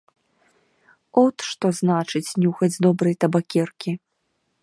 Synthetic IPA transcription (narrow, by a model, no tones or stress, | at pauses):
ɔt̪ʂt̪ɔznat͡ʂɨt͡sʲnʲuxɐd͡zʲd̪ɔbɾɐjt̪ɐbakʲɛrkʲi